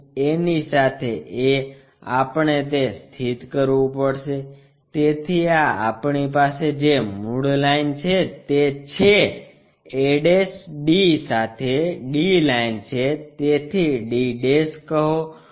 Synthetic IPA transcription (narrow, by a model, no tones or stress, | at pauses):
enisat̪ʰeʔe | a̰pɳet̪̬est̪ʰit̪kəɾʋũpəɽʃe | t̪et̪ʰiaa̰pɳipased͡ʒemuɽlaint͡ʃʰet̪et͡ʃʰe | eɖesɖisat̪ʰeɖilaint͡ʃʰet̪et̪ʰiɖiɖeskəɦo